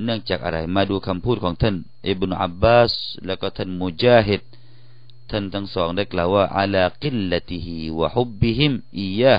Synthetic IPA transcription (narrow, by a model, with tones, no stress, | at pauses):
nɯ˥˩əŋt͡ɕaː˨˩k̚ʔa̰˧ɾa̰˨˦jmaː˧duː˧kʰa˧mpʰuː˥˩kʰɔː˩˦ŋt̪ʰa˥˨n | ʔi˧˦bnu˧ʔa̰˧bːaː˧˩slɛː˧˩kɔː˧˩t̪ʰa˥˩˨nmu˧d͡ʑaː˧ɦi˧˩t̪̚ | t̪ʰːa˥˩˨nt̪ʰa˧˥˩ŋsɔː˩˦ŋda˥˩jklaː˨˩waː˥˩ʔa̰˧laː˧qi˦lːa˧t̪ihiwa̰˧hu˦bːi˧ɦi˧mʔi˧jːaː˥˧h